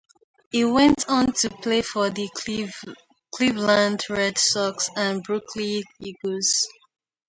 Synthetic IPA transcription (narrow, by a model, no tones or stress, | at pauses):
iwɛ̃ntʰɔ̃ntʰupʰlefɔði | kʰlivlãndɹɛdsɔksãnbɹukʰliiɡoz̥